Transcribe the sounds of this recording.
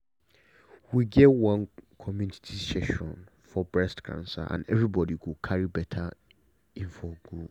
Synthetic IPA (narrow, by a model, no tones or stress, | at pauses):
wiɡɛwãnkʰɔmjunitʰisteʃɔ̰̃n | fɔbɹɛstkʰã̰nsa̰ʔã̰nɛvɹibɔdiwukʰaɹibɛtʰa | ĩnfɔɡu